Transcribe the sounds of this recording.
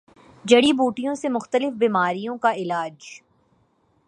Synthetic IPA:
d͡ʒɐɽibuːʈijõsemʊxt̪əlɪfbiːmaːɾijõkaɪlaːd͡ʒ

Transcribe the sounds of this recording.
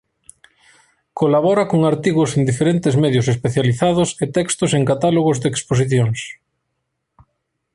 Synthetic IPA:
kolaβɔɾakoŋaɾt̪iɣwʊsend̪ifeɾent̪ɪzmɛðjʊs̬espeθjaliθaðʊset̪ɛkst̪ʊseŋkat̪aloɣʊzd̪eksposiθjoŋs

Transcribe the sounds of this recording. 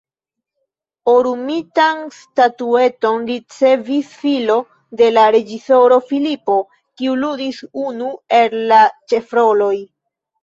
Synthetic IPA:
oɾumitanstatue̞to̞nɾit͡se̞visfilo̞ | de̞laɾe̞d͡ʒiso̞ɾo̞filipo̞ | kiuludisunue̞llat͡ʃe̞fɾo̞lo̞j

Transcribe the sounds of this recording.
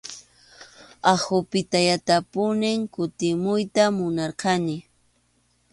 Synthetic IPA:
ahʊpɪt̪ajat̪apʊnɪŋkʊt̪ɪmʊjt̪amʊnaɾqɑnɪ

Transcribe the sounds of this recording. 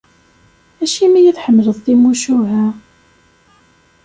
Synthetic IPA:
æʃimijæθħəmːələðˤθimuʃuɦæ

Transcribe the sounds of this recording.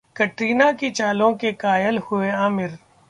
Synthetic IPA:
kɐʈɾiːnakit͡ʃaːlõkekaːjəlhʊeaːmɪɾ

